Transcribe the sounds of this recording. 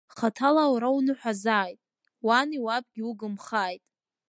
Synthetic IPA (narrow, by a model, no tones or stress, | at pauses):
χatʰalawɾawnɨħʷᶣazaːjtʼ | waniwab̚ʼɡʲiuɡɨmχaːjtʼ